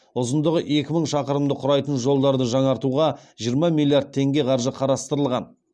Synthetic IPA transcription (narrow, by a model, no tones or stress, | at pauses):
ʊzənd̪əʁəʔe̞kʲɪməɴʃɑqəɾəmd̪əqʰʊɾɑjt̪ənʒo̞lˠd̪ɑɾd̪əʒɑɴɑɾt̪uʁɑʒijəɾmɑmilʲˠːijaɾd̪̚t̪ʰe̞ŋɡʲe̞qʰɑɾʒəqʰɑɾɑst̪əɾəlˠʁɑn